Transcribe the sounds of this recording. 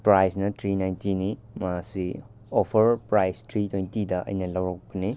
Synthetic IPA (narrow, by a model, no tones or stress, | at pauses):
pɾajsnɐtɾinajntini | masi | opʰɐɾpɾajstɾitwejntidɐʔɐ̰jnɐlɐwɾɐk̚pɐni